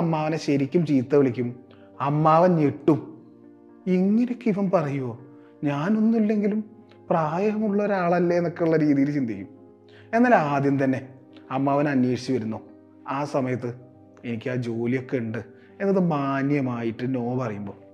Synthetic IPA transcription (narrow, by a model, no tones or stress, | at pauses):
ɐmːaːʋɐneɕɐɾikʲːumt͡ɕiːt̪ːɐʋiɭikʲːum | ɐmːaːʋɐneʈːum | iŋːɐnekːiʋɐmpɐrɐjuoː | ɲaːno̞nːilːe̞ŋɡilum | praːjɐɦɐmuɭːɐoɾaːɭɐlːɐenːo̞kːeuɭːɐɾiːðijlt͡ɕind̪ʱekːum | e̞nːaːlaːd̪jɐmt̪ɐnːe̞ | ɐmːaːʋɐnɐnweːʂit͡ɕːiʋɐɾunːoː | aːsɐmɐjɐt̪ːɨ | e̞nikʲːɨaːd͡ʑo̞ːlijo̞kːe̞uɳɖɨ | e̞nːɐðɨmaːnjɐmaːjiʈːɨnoːmɐpɐrɐjumbo̞ː